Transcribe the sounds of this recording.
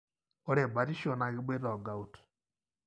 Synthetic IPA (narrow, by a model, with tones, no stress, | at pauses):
o˦ɾe˨ba˨ɾi˦ʃo˨na˨ɣe˦be˦ðɔ˨ɡa˨u˨t